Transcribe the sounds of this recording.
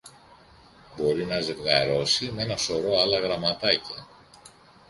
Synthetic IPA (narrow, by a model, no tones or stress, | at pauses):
bo̞ɾinɐzevɣɐɾo̞sime̞nɐso̞ɾo̞ɐlɐɣɾɐmɐt̪ɐcɐ